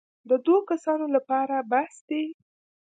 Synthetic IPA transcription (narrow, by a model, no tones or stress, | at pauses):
d̪əd̪wokasɑnolapɑɾabahsd̪̥e